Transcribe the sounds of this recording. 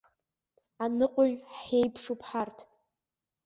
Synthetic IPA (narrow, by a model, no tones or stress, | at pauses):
anɨqʷʼʊɥejpʰʂupʰħartʰ